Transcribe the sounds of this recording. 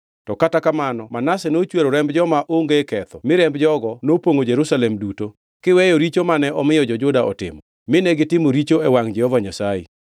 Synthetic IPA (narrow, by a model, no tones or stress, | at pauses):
tɔkatakamanɔmanasɛnot͡ʃweɾoɾɛmbd͡ʒɔmaʔoŋɡekɛt̪ɔmɪɾɛmbd͡ʒɔɡɔnopoŋod͡ʒeɾusalɛmduto | kɪwɛjoɾit͡ʃomanɛʔɔmɪjɔd͡ʒɔd͡ʒʊdaʔɔ̰tɪ̰mɔ | mɪnɛɡɪtɪmoɾit͡ʃoɛwaŋd͡ʒɛhɔvaɲasajḛ